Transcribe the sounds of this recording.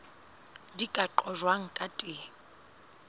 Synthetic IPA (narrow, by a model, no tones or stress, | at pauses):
dikʼaǃɔʒwaŋ̩kʼatʼɪ